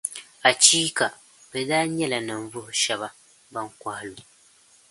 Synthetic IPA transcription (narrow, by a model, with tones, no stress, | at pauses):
a˨t͡ʃiː˦ka˨ | bɛ˨daː˦ɲɛ˦la˨na˨ɱ˨vʊ˦hʊ˨ʃɛ˦ba˦ | ba˦ŋkʷa˦hlu˨